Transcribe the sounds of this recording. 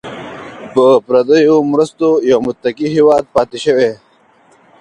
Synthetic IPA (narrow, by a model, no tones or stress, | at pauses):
pəpɾɐd̪əjomɾəst̪ojawmʊt̪ːɐkiɦiwɑːd̪̚pɑːt̪eʃəwe